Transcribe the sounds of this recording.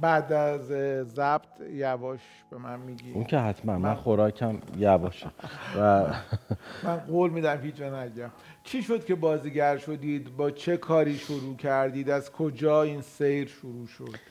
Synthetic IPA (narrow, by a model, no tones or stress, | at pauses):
bæd̪æzːæb̥t̪ʰjævɒːʃ | b̥e̞mænmiːɟiuŋcʰeɦæt̪ʰmænmænχoɾɒːcʰæmjævɒːʃevæ | mænɢoːlmiːd̪æmhit͡ʃænæɟæm | t͡ʃʰiːʃo̞d̪̥̚cʰe̞bɒːziːɟæɾʃo̞d̪iːd̪bɒːt͡ʃʰe̞kʰɒːɾiːʃoɾuːcʰæɾd̪iːd̪æzkʰod͡ʒɒːiːnsejɾʃoɾuːʃod̪̥